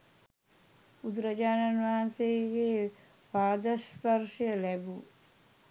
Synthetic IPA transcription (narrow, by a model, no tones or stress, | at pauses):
ud̪uɾəd͡ʒaːnanʋaanseɡeː | paːd̪ɐspɐɾʂəjəlæbu